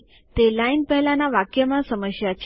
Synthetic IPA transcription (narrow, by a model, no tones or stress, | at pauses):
t̪elainpəɦlanːaʋakjəmasəməɕjat͡ɕ